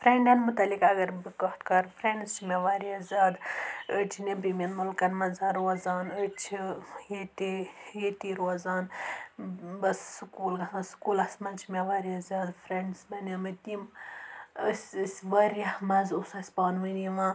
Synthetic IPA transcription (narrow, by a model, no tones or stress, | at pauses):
fɾeɳɖɐnmut̪ɐlikɐɡɐɾbɨkɐʈkɐɾfɾeɳɖst͡ʃʰimʲeʋaːɾiɐzʲaːd̪ət͡ʃʰinebimʲenmulkɐnmɐnzaɾozaːnət͡ʃʰijet̪ijet̪iɾozaːn | bɐsːkuːlɡɐɦãskuːlɐsmɐnt͡ʃʰimeʋaːɾiɐzʲaːd̪fɾeɳɖsbɐnʲɐmɐt̪im | əsʲsʲʋɐɾɐmɐzusɐsʲpaːnʋɨniʋãː